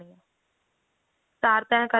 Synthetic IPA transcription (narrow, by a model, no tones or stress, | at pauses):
ijã | saːɾt̪ɛ̃kə